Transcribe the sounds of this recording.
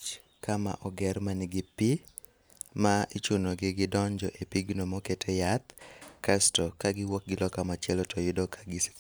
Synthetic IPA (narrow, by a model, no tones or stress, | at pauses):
t͡ʃ | kama̰ʔɔɡɛrmanɪɡɪpi | mait͡ʃunoɡɪɡɪdɔɲd͡ʒɔʔepiɡnomɔketʰejat̪̚kastɔkaɡɪwɔk̚ɡɪlɔkamat͡ʃɛlɔtʰɔjɪdɔkʰḁɡɪs